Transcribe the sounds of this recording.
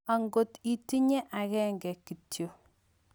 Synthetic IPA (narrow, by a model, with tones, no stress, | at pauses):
a˨ŋɡo˨ti˦ti˦ɲɛ˦ʔa˨ɣɛŋɡɛ˨kːi˨tjo˨